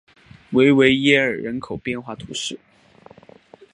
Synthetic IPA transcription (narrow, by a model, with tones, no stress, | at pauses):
we˧˥ɪwe˧˥ɪjɛ˥ə̰˞˨˩ɻə˧˥nkʰo˨˩ʊpjɛ˥˧nxwa˥˩t̪ʰṵ˧˥ʂɻ̩˥˩